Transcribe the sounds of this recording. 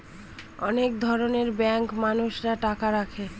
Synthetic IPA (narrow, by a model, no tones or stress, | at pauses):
ɔnek̚d̪ʱɔɾoneɾbɛŋkmanuʃɾaʈakaɾakʰe